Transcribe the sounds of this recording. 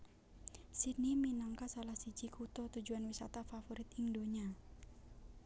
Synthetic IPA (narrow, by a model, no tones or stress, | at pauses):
siniminaŋkasalahsid͡ʒikʰut̪ɔt̪ud͡ʒuanwisat̪afafoɾit̪ɪŋdoɲa